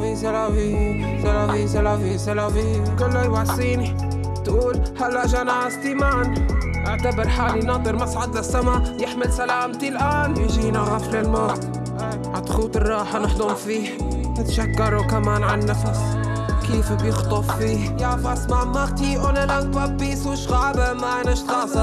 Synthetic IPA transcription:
izalafi | zalafizalafisalafikʊlːajwaʕsˤiːni | t̪ʔuːlhalːaʔʒaːnaʕast̪iːmaːn | ʔaʕt̪abɪɾˤħaːlinɑd̪ˤɨɾmasʕad̪lasːamaʕjɪħmɪlsalaːmt̪ilʔaːnjʒiːnaɣaːflɪlmaː | ʕat̪xuːt̪ɨrˤːɑːħanɪħd̪ˤʊmfiːhnɪt̪aʃakːɑɾˤukamaːnʕannːafas | kiːfbjɪxt̪ˤɑffiːhjaːfʔasmaʕmaqt̪iʔʊnalakbɑbːisuʃɣaːbamanaʃt̪xɑːsˤɑ

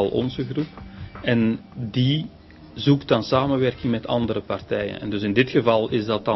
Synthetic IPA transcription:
ɑlˠʔɔ̰nzəɣrupɛndi | zuktdɑnsaːməʋɛrkɪŋmɛtʰɑ̰ndəɾəpɑrtɛjə̰nɛ̰ndɵsɪndɪtxəvɑlˠɪzdɑtɑ

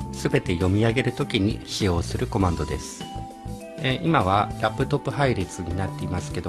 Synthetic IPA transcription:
sɨbe̞t̪e̞jo̞mʲiaɡe̞ɾɯ̟t̪o̞kʲiɲ̟ḭɕio̞ːsɨɾɯ̟ko̞mãnd̪o̞d̪e̞sɨ̥ | eʔimaβ̞aɾapːɯ̟t̪o̞pːɯ̟ɦaiɾʲit͡sɨɲ̟inat̪ːe̞imasɨ̥ke̞d̪o

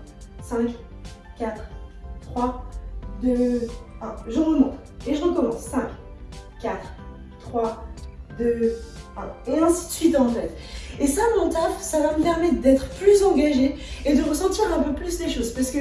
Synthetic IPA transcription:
sɛ̃kʲkʲat̪χt̪χwad̪øɛ̃ʒəʁəmɑ̃ | eʒəʁəkɔmɑ̃ssɛ̃kʲkʲːat̪χ | t̪χwad̪øãɔ̃nɛ̃si̥t̪sɥit̪ɑ̃fɛt̪ | esamɔ̃t̪afsavaməpɛʁmɛt̪d̪ɛt̪χəplyzɑ̃ɡaʒeed̪əʁəsɑ̃t̪iʁɛ̃pøplysleʃozpaʁsə̥kə

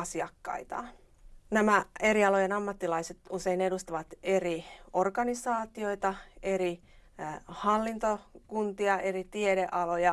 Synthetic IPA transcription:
ɑsiɑkːɑ̰it̪ɑ̰ː | næmæe̞ɾiɑlojenɑmːɑt̪ːilɑiset̪useinedust̪ɑʋɑt̪eriorkɑnisɑːt̪ioit̪ɑeɾi | hɑlːint̪okunt̪iɑerit̪ieɾeʔɑlojɑ

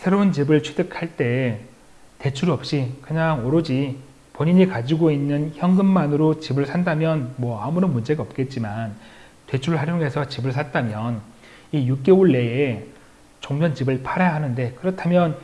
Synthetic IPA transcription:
sʰe̞ɾount͡ɕibɯɭt͡ɕʰe̥dɯkʰaɭt͈e̞ | te̞t͡ɕʰuɾʌp̚ɕ͈ikɯɲaŋʌɾod͡ʑi | poɲiɲikad͡ʑiɡoinːɯnçjʌŋɡɯmmanɯɾot͡ɕibɯɭsʰandamjʌnmwʌamuɾʌnmund͡ʑe̞ɡaʌp̚k͈e̞t̚t͡ɕ͈iman | twe̞t͡ɕʰuɾɭɦaɾjoŋe̞sʰʌt͡ɕibɯɭsʰat̚t͈amjʌn | ijuk̚k͈e̞uɭːe̞e | t͡ɕoŋd͡ʑʌnt͡ɕibɯɭpʰaɾejaɦanɯnde̞kɯɾʌtʰamjʌn

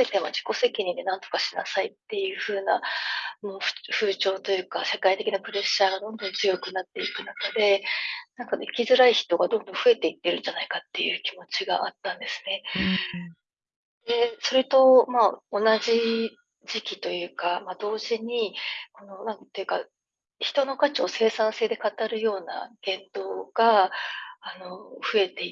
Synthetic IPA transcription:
et̪ema̰ʑi̥ko̞se̞kʲiɲ̟ĩnd̪e̞nãnt̪o̞kaɕina̰sait̪ːe̞jɯ̟ːɸɯ̟ːna̰mo̥ɸɯ̟ːt͡ɕo̞ːt̪o̞jɯ̟ːkaɕakait̪e̞kʲinapɯ̟ɾe̞ɕːaːɡad̪õ̞nd̪õ̞nt͡sɨjo̞kɯ̟nat̪ːe̞ikɯ̟nakad̪e̞nãŋkakʲizɨɾaiçi̥t̪o̞ɡad̪õ̞nd̪õ̞ɸɯ̟e̞t̪e̞it̪ːe̞ɾɯ̟̃nd͡ʑanaikat̪ːe̞jɯ̟̰ːkʲimo̞t͡ɕiɡa̰ʔat̪ːãnd̪e̞sɨ̥ne̞ | d̪̥e̞so̞ɾe̞t̪o̞mao̞naʑi | ʑikʲit̪o̞jɯ̟ːkamad̪o̞ːʑiɲ̟iko̞no̞nãŋkt̪ːejɯ̟ka̰ | çi̥t̪o̞no̞kat͡ɕio̞ːse̞ːsãɰ̃se̞ːd̪e̞kat̪aɾɯ̟jo̞ːna̰ɡ̥ẽ̞nd̪o̞ːɡ̥aː | no̞ɸɯ̟e̞t̪e̞

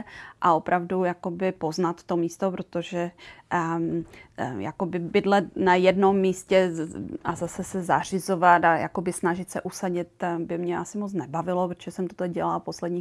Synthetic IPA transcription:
ʔao̞pɾʔavdujako̞bɪpo̞znat̪ːomiːst̪opɾot̪oʒɛ | ja̰ko̞bɪbɪd̪lɛnajɛdno̞mːiːscɛʔazasɛsɛzar̝ɪzo̞vat̪aja̰ko̞bɪsnaʒɪt̪sɛ̰ʔusaɟɪt̪bɪmɲɛʔasɪmot͡snɛbavɪlopɾot̪oʒɛsɛmt̪ot̪oɟɛlalpo̞slɛdɲiː

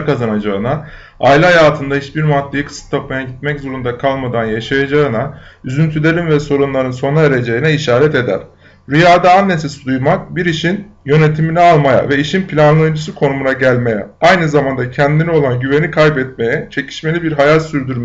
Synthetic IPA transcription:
kazanad͡ʒaɯna | ajilʲiɦajaːt̪ʰɯnd̪aiʃbiɾmat̪ʰːejikʰɯ̥sɯ̥t̪ʰːap̚majaɟit̪mɛczo̞ɾund̪akʰalˠmad̪anjaʃajad͡ʒaɯnayzynt̪ʰylʲe̞ɾinvɛso̞ɾunlˠaɾɯnso̞naeɾe̞d͡ʒe̞jinɛiʃaːɾɛt̪e̞d̪æ̰ɾ̥ | ɾyjaːd̪aːnːe̞s̬esid̪ujmak̚biɾiʃinjø̞ne̞t̪ʰiminɛalˠmaja̰vɛiʃinpʰilʲanlˠajɯnd͡ʒɯsɯkʰo̞numunaɟælʲme̞jɛ̰ajnɯzamand̪acʰɛnd̪inio̞lˠanɟyve̞nikʰajpɛt̪̚me̞jɛt͡ʃʰe̞cʰi̥ʃme̞lʲibiɾɦajat̪ʲsyɾd̪yɾm

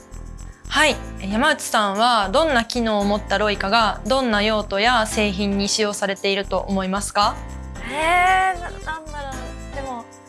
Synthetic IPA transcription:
haijamaɯ̟t͡ɕi̥sãɰ̃β̞ad̪õ̞nːakʲino̞ːmo̞t̪ːaɾo̞ikaɡad̪õ̞nːajo̞ːt̪o̞jase̞ːçĩɲ̟ːiɕijo̞ːsaɾe̞t̪e̞iɾɯ̟t̪o̞ʔomo̞imasɨ̥ka | ennãnːaɾod̪od̪̥e̞mo

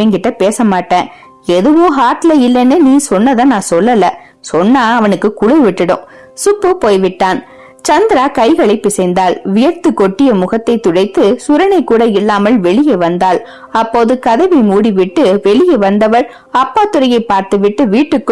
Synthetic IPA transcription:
eŋɡɪʈːɐpeːsɐmaːʈːẽː | ɛðɯʋoːɦaːʈlɐɪlːɛnenĩːsɔnːɐðɐnãːsɔlːɐlɐ | sɔnːaːɐʋɐnɯkːɯkʊɽɐʋɪʈːɐɽɯ̰m | sʊpːɯpoːjʋɪʈːaːn | t͡ʃɐnd̪ɪɾaːkɐɪɣɐɭɐɪpːɪsɛɪnd̪aːlʋɪjɐɾt̪ɯkːɔʈːɪjɐmʊɣɐt̪ːɐɪt̪ːʊɽɐɪt̪ːɯsʊɾɐnɐɪkːuːɽɐɪlːaːmɐlʋɛɭɪjɐɪʋɐnd̪aːl | ɐpːoːðɯkɐðɐʋimuːɽiʋɪʈːɯʋɛɭɪjɐʋɐnd̪ɐʋɐɾ | ɐpːaːt̪ɯɾɐjɐɪpːaːɾt̪ɯʋɪʈːɯʋiːʈːɯkːɯ

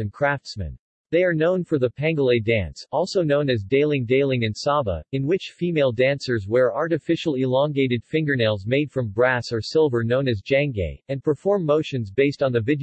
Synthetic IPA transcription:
ɨ̃nkʰɹ̥æftsmɨ̰̃n | ðeɪə˞nõʊ̃nfə˞ðəpʰæ̃ŋɡəlˠeɪdæ̃nsɔlˠsoʊnõʊ̃nɨzdeɪlˠɪ̃ŋdeɪlˠɪ̃ŋɨ̃nsɑbə̰ɨ̃nwɪt͡ʃfimeɪlˠdæ̃nsə˞zwə˞ʔɑɹɾɨfɪʃl̩ˠɪlɑ̃ŋɡeɪɾɨd̥fɪ̃ŋɡə˞neɪlˠzmeɪd̥fɹʌ̃mbɹæsə˞sɪlˠvə˞nõʊ̃nɨzd͡ʒæ̃ŋɡḛɪɨ̃npʰə˞fɔɹmːoʊʃɨ̃nzbeɪstn̩ðɨvɪɾ

